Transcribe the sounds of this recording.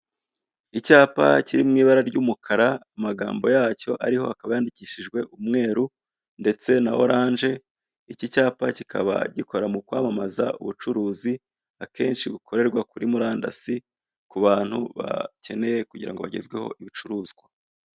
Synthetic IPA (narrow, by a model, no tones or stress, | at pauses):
icaːpa̰ciɾimŋiːβaɾaɾɟuːmukʰaɾaːmaɡa̰ːmbo̞jaːco̞ʔaɾiho̞̰hakaβajaːndiciːʃiʒɡwe̞ʔumŋe̞ːɾu | nde̞t͡se̞nao̞̰ɾaːnʒe̞ | icicaːpacikʰaβa̰ɟikʰo̞ɾamukwaːmamaza̰ṵβut͡ʃuɾuːzi | ake̞ːnʃiβukʰo̞ɾe̞ɾɡwakuɾimuɾaːnda̰si | kuβaːn̥hṵβa̰ce̞ne̞jekuɟiɾa̰ŋɡo̞βa̰ɟe̞̰zɡwe̞ho̞̰ʔiβit͡ʃuɾuːzɡwa